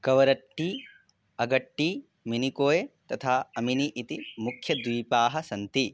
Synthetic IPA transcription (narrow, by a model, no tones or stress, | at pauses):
kɐʋɐɾɐʈːi | ɐɡɐʈːi | minikoːjet̪ɐt̪ʰaːɐminiʔit̪imukʰjɐd̪ʋiːpaːɦɐsɐnt̪i